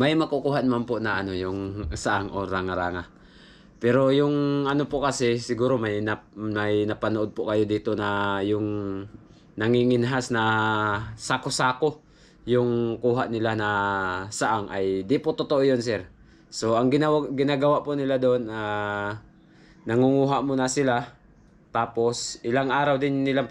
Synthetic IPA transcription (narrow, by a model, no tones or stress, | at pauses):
majmɐkokuːɦaʔnɐmanpoʔnɐʔɐno̞jʊŋsaʔaŋʔo̰ɾaŋaɾa̰ːŋa | pɛɾo̞jʊŋʔɐno̞pokɐsɛsɪɡuːɾo̞majnɐmɐjnɐpɐnoʔo̞d̪̚pʊʔkɐjo̞d̪iːt̪o̞nɐjʊŋ | nɐŋiŋɪnɦasnɐ | sakosaːko̞ | jʊŋkuːɦaʔnɪlanɐsaʔaŋʔɐjd̪ɪʔpot̪ot̪oʔojo̞nsɛɾ | so̞ʔɐŋɡɪnawɡɪnaːɡɐwaʔpʊnɪlad̪oʔona | nɐŋʊŋuːɦaʔmonɐsɪla | t̪aːpo̞sʔɪlaŋʔaːɾawd̪ɪnːɪla